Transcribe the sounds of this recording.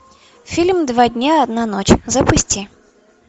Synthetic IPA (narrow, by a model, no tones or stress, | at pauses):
fʲilʲmd̪vadʲnʲaɐd̪nanot͡ɕzəpʊsʲtʲi